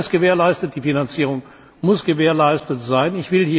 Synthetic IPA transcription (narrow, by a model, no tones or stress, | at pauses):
sɡ̥əveːɐlaɪstət̚d̥iːfinant͡siːʁ̞ʊŋ | mʊsɡ̥əveːɐlaɪstətz̥aɪnɪçv̥ɪlhiː